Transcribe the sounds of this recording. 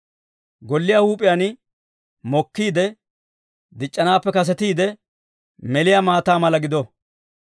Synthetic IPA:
ɡɔlːɪjahuːpʼɪjanɪ | mɔkːiːd̪ɛ | d̪ɪt͡ʃʼːɐnaːpːɛkɐs̬ɛt̪iːd̪ɛ | mɛlɪjamaːt̪aːmɐlɐɡɪd̪ɔ

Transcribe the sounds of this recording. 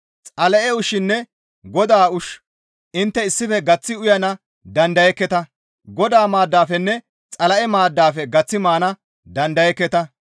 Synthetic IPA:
t͡sʼɐlɛʔɛʊʃɪnːɛ | ɡɔd̪aːʊʃ | ʔɪnt̪ːɛɪsːɪfɛɡɐt͡sːɪʊjɐnɐ | d̪ɐnd̪ɐjɛkːɛt̪ɐ | ɡɔd̪aːmaːd̪ːaːfɛnːɛ | t͡sʼɐlɐʔɛmaːd̪ːaːfɛɡɐt͡sːɪmaːnɐ | d̪ɐnd̪ɐjɛkːɛt̪ɐ

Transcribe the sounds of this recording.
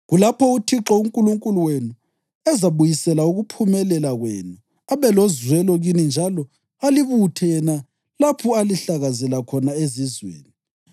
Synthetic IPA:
ɣulapʰɔutʰiǁɔuŋkʼuluŋkʼuluwenu | ɛzaβujisɛlauɣupʰumɛlɛlaɣwḛnu | aβɛlɔzwɛlɔɣinind͡ʒʱalɔ | aliβutʰɛjɛna | lapʰɔaliɬaɣazɛlakʰɔnaezizwḛːni

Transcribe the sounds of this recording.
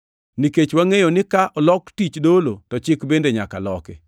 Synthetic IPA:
niket͡ʃwaŋejonɪkaʔɔlɔktit͡ʃdolotɔt͡ʃɪkbendeɲaka̰lɔkɪ̰

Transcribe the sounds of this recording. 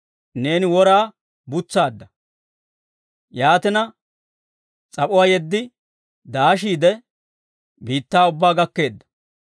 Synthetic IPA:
ne̞ːnɪwɔɾaː | bʊt͡sːaːd̪ːɐ | jaːt̪ɪnɐ | t͡sʼɐpʼʊwaːjɛd̪ːɪ | d̪aːʃ̬iːd̪ɛ | biːt̪ːaːʊbːaːɡɐkːe̞ːd̪ːɐ̥

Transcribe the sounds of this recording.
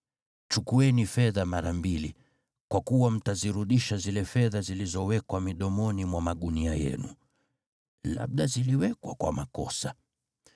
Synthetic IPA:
t͡ʃukuɛnifɛðamaɾambili | kwakuwam̩taziɾuɗiʃazilɛfɛðazilizɔwɛkwamiɗɔmɔnimwamaɠuniajɛ̰nṵ | la̰ɓ̚ɗaziliwɛkwakwa̰makɔ̰sa

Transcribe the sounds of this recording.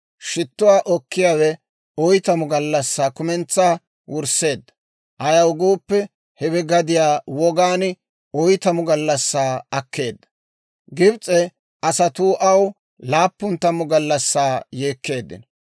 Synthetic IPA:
ʃɪt̪ːʊwaːʔɔkːɪjaːwɛ | ɔjt̪ɐmʊɡɐlːɐsːaːkʊmɛnt͡sːaː | wʊɾse̞ːd̪ːɐ̥ | ʔɐjɐwɡoːpːɛ | hɛbɛɡɐd̪ɪjaːwɔɡaːn | ɔjt̪ɐmʊɡɐlːɐsːaːɐkːe̞ːd̪ːɐ̥ | ɡɪbt͡sʼɛ | ʔɐsɐt̪uːʔɐw | laːpːʊnt̪ɐmʊɡɐlːɐsːaːje̞ːkːe̞ːd̪ːɪ̰n

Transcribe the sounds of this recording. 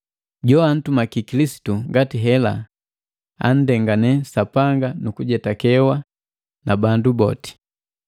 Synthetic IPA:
ɟɔan̩tumakikilisi̥tuŋɡatiɦɛla | a̰n̩dɛŋɡanɛsapaŋɡanukuɟɛtakɛwa | nabandubɔ̰ti̥

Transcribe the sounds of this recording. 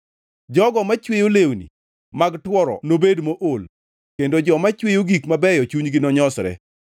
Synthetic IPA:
d͡ʒɔɡɔmat͡ʃwejolewnḭ | maɡtwɔɾɔ̰nobedmoʔol | kendod͡ʒɔmat͡ʃwejoɡikmabɛjɔt͡ʃuɲɡɪnɔɲɔsɾɛ̰

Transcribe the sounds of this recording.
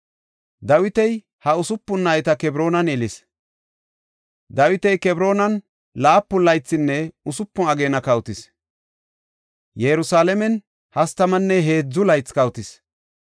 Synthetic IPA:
d̪ɐwɪt̪ɛj | hɐʊsʊpːʊnːaːjɪt̪ɐkɛbɾo̞ːnɐnɛlɪs | d̪ɐwɪt̪ɛjkɛbɾo̞ːnɐn | laːpːʊlɐjt͡sːɪnːɛʊsʊpːʊnɐɡe̞ːnɐkɐwt̪ɪs | jɛɾʊsaːlɛmɛn | hɐst̪ɐmɐnːɛɦe̞ːd͡zːʊlɐjt͡sːkɐwt̪ɪs

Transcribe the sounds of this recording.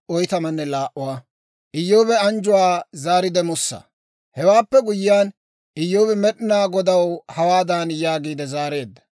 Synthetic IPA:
ʔɔjt̪ɐmɐnːɛlaːʔʊwaː | ʔɪjːoːbɛɐnd͡ʒʊwaːzaːɾɪd̪ɛmʊsːɐ̰ | hɛwaːpːɛɡʊjɪjaːn | ʔɪjːoːbɛmɛɗɪnaːɡɔd̪ɐwhɐwaːd̪aːnjaːɡiːd̪ɛzaːɾe̞ːd̪ːɐ̥

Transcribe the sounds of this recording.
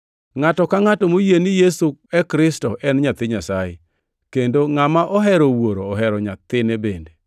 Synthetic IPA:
ŋatɔkaŋatɔmojenijesuɛkɾɪstɔʔɛnɲat̪ɪɲasajḛ | kendoŋamaʔɔɦɛɾowoɾoːɦɛɾɔɲat̪ɪnebende

